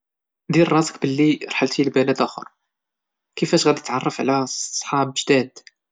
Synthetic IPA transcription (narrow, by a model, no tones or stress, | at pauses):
d̪iɾrˤɑzə̥kbəlːiɾˤħəlt̪ilbælæd̪æxo̰ɾˤ | kəfæʃɣæd̪it̪ʕɑrˤːɑfʕlæsˤħɑbʒd̪æd̪